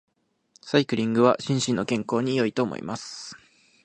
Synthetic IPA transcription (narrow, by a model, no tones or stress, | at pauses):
saikɯ̟ɾʲĩŋɡɯ̟βa̰ɕĩɰ̃ɕĩnːo̞kẽ̞ŋko̞ːɲ̟ijo̞it̪o̞ːmo̰ḭmasɨ̥